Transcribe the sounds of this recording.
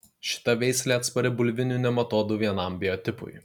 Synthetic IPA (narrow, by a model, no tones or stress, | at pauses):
ʃʲɪ̥t̪ɐʋʲɛɪsʲlʲeːɐt̪spɐɾʲɛbʊlʲʋʲɪnʲuːnʲɛmɐt̪oːd̪uʋʲiɛnɐˑmbʲɪjɔt̪ʲɪpʊ̰ɪ